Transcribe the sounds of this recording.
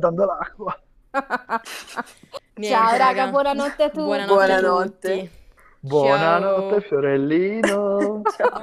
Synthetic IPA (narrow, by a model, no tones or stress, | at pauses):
d̪and̪olakːwa | t͡ʃaoɾaːɡabwɔnanɔt̪ːeat̪ːubwɔnanɔt̪ːe | bwɔnanɔt̪ːefjoɾelːiːno